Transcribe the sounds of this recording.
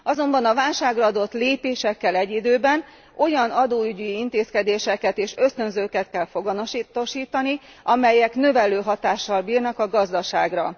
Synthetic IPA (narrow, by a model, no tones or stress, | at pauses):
ɒzo̞mbɒnɒvaːlʃaːɡrɒɒd̪o̞t̪leːpeːʃɛkːɛlɛɟːid̪øːbɛn | o̞jɒnɒd̪oːyɟiint̪eːskɛd̪eːʃɛkɛt̪eːʃø̞st̪ø̞nzøːkɛt̪kɛlfo̞ɡɒnoʃit̪oʃiːt̪ɒni | ɒmɛjɛkn̪ø̞vɛløːɦɒt̪aːʃːɒlbiːrnɒkɒɡɒzd̪ɒʃaːɡrɒ